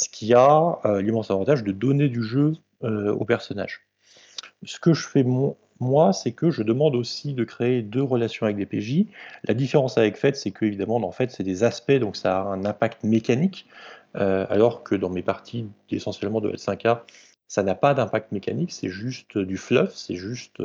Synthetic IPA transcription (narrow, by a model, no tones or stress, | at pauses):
sə̥kʲʰiaølimɑ̃savɑ̃t̪aʒd̪əd̪ɔned̪yʒø | øo̰pɛʁsɔna̰ʒ | sə̥kəʒəfɛm | mwasɛkəʒəd̪əmɑ̃d̪osid̪əkχeed̪øʁəlasjɔ̃avɛk̚d̪epeʒilʔa̰d̪ifeʁɑ̃savɛkfɛt̪sɛkʰəevid̪amɑ̃d̪ɑ̃fɛt̪sɛd̪ezaspɛd̪ɔ̃ksaːɛ̃nɛ̃pakt̪əmekanikøa̰lɔʁkʰəd̪ɑ̃mepaʁt̪ʰiesɑ̃sjɛlmɑ̃d̪ə̰a̰lsɛ̃ka | sanapad̪ɛ̃pak̚t̪əmekʲa̰niksɛʒyst̪d̪yflœfsɛʒyst̪